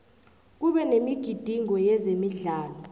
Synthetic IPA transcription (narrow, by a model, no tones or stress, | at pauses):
k̬uɓɛnemiɡ̥ʱid̥ʱiŋɔjɛzemiɮaːlɔ